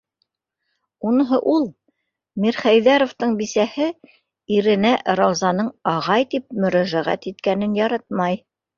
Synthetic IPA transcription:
unɤ̆ɦɤʔulˠ | miɾχæjðæɾŏft̪ɤɴbisæhɘ | iɾɘ̆næʔɾɑwzɑnɤɴɑʁɑjt̪ip̚mɵ̆ɾæʒæʁæ̰t̪it̪kænɘnjɑɾɑt̪̚mɑj

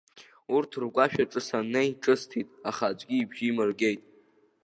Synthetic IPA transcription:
urtʰrɡʷaʃᶣaʈ͡ʂʼɨsanejʈ͡ʂʼɨstʰitʼaχaːd͡ʒʷɡʲiːbʒiːmɨrɡʲe̞jtʼ

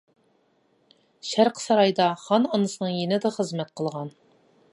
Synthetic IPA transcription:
ʃæɾqʰsɑɾɑjd̪ɑχɑnɑnɨsɨnɨŋjenɪd̪ɑχəzmɛt̪̚qʰəlˠʁɑn

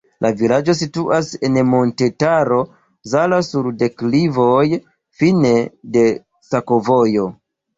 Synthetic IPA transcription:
lʔavilad͡ʒo̞s̬ituʔase̞nmo̞nte̞taɾo̞ | zalasuɾde̞klivo̞j | fine̞de̞ | sakovo̞jo̞

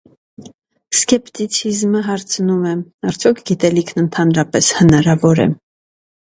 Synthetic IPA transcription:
skɛpt̪it͡sʰizməɦɑɾt͡sʰnumɛɑɾt͡sʰjɔkʰɡit̪ɛlikʰnənt̪ʰɑnɾɑpɛshənɑɾɑvɔɾɛ̰

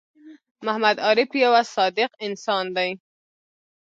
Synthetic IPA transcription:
mahmad̪ɑɾɪpjawasɑd̪ɪqɪnsɑnd̪aj

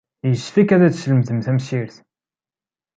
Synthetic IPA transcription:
jəʃfikæðæt͡sʃləmθəmθæmʃiɾθ

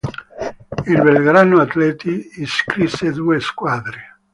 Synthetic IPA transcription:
ilbelɡɾanoat̪lɛt̪iːskɾisːed̪ueskwaðɾe

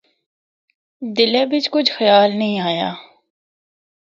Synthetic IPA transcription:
d̪ɪlebʱɪt͡ʃkʊt͡ʃʰxɐjaːlnəɦĩaːja̰ː

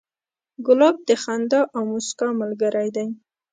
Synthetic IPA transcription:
ɡʊlɑb̚d̪əxand̪ɑʔawmʊskɑmalɡaɾajd̪aj

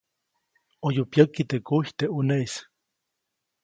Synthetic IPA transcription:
ojupjəkːit̪ekuht̪eʔuneis

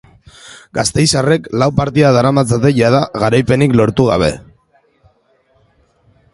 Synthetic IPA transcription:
ɡast̪e̞jsare̞klawpaɾt̪iaðaɾamat͡sat̪e̞ʝað̞aɣaɾajpe̞niklo̞ɾt̪uɣa̰β̞e̞̰

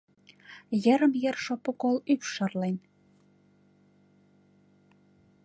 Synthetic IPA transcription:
jə̆ɾə̆mjərʃopŏkolypʃɑrlen

